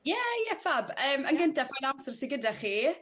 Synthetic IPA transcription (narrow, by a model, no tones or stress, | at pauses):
jɛjɛfabəːmənɡəntɛfanamsərsiɡədɛχiː